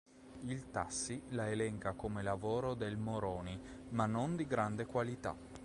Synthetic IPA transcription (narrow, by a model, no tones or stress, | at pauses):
ilt̪asːilaelɛŋkakomelavoːɾod̪elmoɾoːnimanːond̪iɡɾand̪ekwalit̪a̰